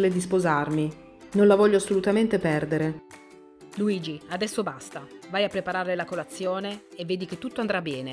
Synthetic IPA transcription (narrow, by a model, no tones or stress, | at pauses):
led̪ispozarmi | nonlavɔʎːoasːolut̪ament̪epɛrd̪eɾe | luiːd͡ʒiad̪ɛsːobast̪avajapːɾepaɾaɾlelakolat̪sːjoːneːvːeːd̪iket̪ːut̪ːoand̪ɾabːɛːne